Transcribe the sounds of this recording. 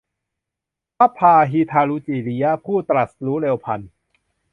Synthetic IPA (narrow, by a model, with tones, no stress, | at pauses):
pʰa˦˥pʰaː˧ɦiː˧t̪ʰaː˧lu˧t͡ɕiː˨˩li˦˥a˦˥pʰuː˥˩t̪ɾa˨˩t̪̚luː˦˥leː˧wpʰa˧n